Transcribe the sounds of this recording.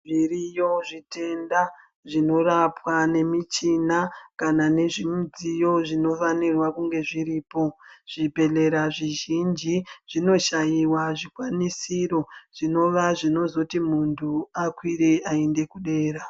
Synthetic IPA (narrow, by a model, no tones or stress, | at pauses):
ʐirijo̞ʐite̞nda | ʐino̞ɾapwane̞mit͡ʃinakanane̞ʐimud͡zijo̞ʐino̞fanirwakuŋɡe̞ʐiɾiːpo̞ʐ̥ibʱe̞ɮe̞ɾaʐiʒind͡ʒiʐ̥ino̞ʃajiwaʐikwanisiro̞ʐ̥ino̞ʋaʐino̞zo̞timuntʰuakwiɾe̞ʔaende̞kuɗe̞ːɾa